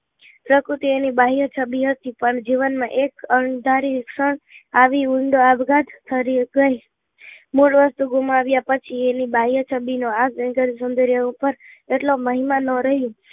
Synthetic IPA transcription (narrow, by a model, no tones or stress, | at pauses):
pɾəkɾut̪ienibaɦijət͡ʃʰəbiɦət̪ipəɳd͡ʒiʋənmãʔekəɳd̪ʱaɾikʂəɳaʋiuɳɖoabɡad̪t̪ʰəɾiɡəi | moʈʋəst̪uɡumaʋjapət͡ʃʰienibaɦijət͡ʃʰəbinoaɡd͡ʒənɡəɾsənd̪əɾjəupəɾeʈloməɦimanəɾəɦjũ